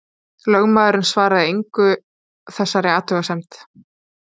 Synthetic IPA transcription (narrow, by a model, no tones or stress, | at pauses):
lœɣmaːðʏɾɪnsvaːɾaðɪejŋkʏ | θɛsːaɾɪaːt̪ʏɣasɛmt̪